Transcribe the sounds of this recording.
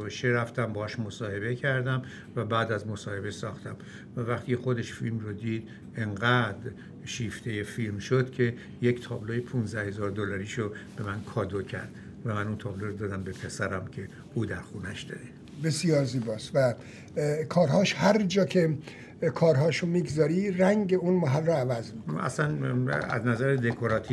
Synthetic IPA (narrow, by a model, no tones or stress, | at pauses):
veʃeɾæft̪æmbɒhɒʃmosɒːhe̞be̞cʰæɾd̪æm | væbæːd̪æzmosɒːhe̞be̞sɒːxt̪ʰæm | vævæχt̪ixo̞d̪eʃfilmrod̪iːd̪ | eŋɡæd̪ | ʃiːft̪ʰe̞jefilmʃod̪cʲʰe̞ | ject̪ʰɒːblojepʰunzd̪æhe̞zɒːɾd̪olɒɾiːʃob̥e̞mænkʰɒːd̪ocʰæ̰ɾd̪̥ | væmænunt̪ʰɒːbloɾod̪ɒːd̪æmbe̞pʰe̞sæɾæmcʰe̞ | uːd̪æɾxuːnæʃd̪̥ɒ̰ːd̪e | besijɒːɾziːbɒːsvæ | kʰɒːɾɦɒːʃhæɾd͡ʒɒːkʰe | kʰɒːɾɦɒːʃumiɡzɒːɾiræŋɟeunmaɦælroævæzmiæ̰slænæ̰znæzæɾed̪ekʰoɾɒt̪ʰi